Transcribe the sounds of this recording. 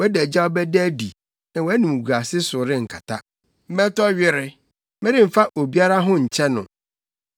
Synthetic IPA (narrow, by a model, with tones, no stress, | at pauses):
wɛ˦dɛ˨d͡ʑa˦ɔ˦bɛ˦dɛ˦di˨ | nã˨wæ˦nĩ˨mu˨ɡa˨sɪ˦sʊ˨ɾɪ˦ŋ̩˨kʰa˨tʰa˦ | m̩˦mɛ̃˦tɔ˦ɥɪ˦ɾɪ˦ | mɪ̃˦ɾɪ̃˦m̩˨fa˦ʔo˨bi˦a˦ɾa˦ɦʊ̃˦ɲ̩˨t͡ɕʰɛ˦nʊ̃˨